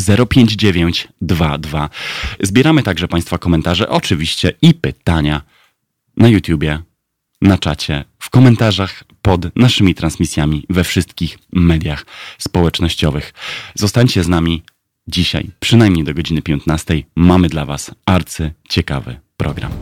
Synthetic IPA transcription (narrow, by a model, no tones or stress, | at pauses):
zɛɾɔpʲjeɲd͡ʑd͡ʑevʲjeɲt͡ɕd̪vad̪vazbʲjɛɾamɘt̪aɡʐɛpaj̃st̪fakɔmɛnt̪aʐɛ̰ʔɔt͡ʂɘvʲiɕt͡ɕɛʔipɘt̪aɲa | najut̪ʲjubʲjɛ | nat͡ʂat͡ɕɛfkɔmɛnt̪aʐax | pɔd̪naʂɘmʲit̪ɾansmʲisʲjamʲivɛfʂɘst̪kʲixmɛd̪ʲjaxspɔwɛt͡ʂnɔɕt͡ɕɔvɘxzɔst̪aɲt͡ɕɛznamʲi | d͡ʑiɕa̰jpʂɨnajmɲejd̪ɔɡɔd͡ʑinɘpʲjɔnt̪nast̪ɛjmamɘd̪lavasaɾt̪sɘt͡ɕɛka̰vɘ̰pɾʔɔ̰ɡɾa̰m